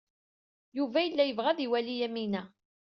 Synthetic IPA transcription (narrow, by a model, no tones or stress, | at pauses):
juvæjəlːæjəvʁæðiwælijæminæ